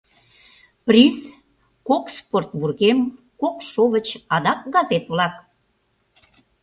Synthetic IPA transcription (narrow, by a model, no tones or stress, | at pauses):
pris | koksport̪βurɣem | kokʃoβət͡ɕɑd̪ɑk̚ɡɑzet̪βlɑk